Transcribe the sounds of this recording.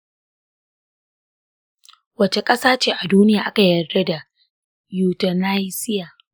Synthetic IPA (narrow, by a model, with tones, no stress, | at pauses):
wɐ˦t͡ʃe˨kʼɐ˦saː˦t͡ʃeː˦ʔa˨duː˦nɪ˦jaː˨ʔa˦ka˨jɐ˨e˦da˨ | juː˨tɐ˨na˦jsɪ˦jaː˨